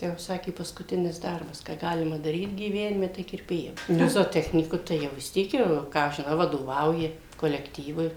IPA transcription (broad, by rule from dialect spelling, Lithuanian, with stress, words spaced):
ˈtɐɪ jɛʊ ˈsɑːkʲeː pɐskʊˈtʲɪnʲɪs ˈdɐrbɐs kɑː ˈɡɑːlʲɪmɐ dɐˈrʲiːt ɡʲiːˈʋʲæːnʲɪmʲɛ tɐɪ kʲɪrʲˈpʲeːjɛ ˈnʊ zoːoːˈtʲæːxʲnʲiːkʊ tɐɪ ˈjɛʊ ʋʲɪs ˈtʲiɛk jɛʊ ˈkɑː ɐʃ ʒʲɪˈnɐʊ ʋɐdoːˈʋɐʊjɪ koːlʲɛkˈtʲiːʋʊɪ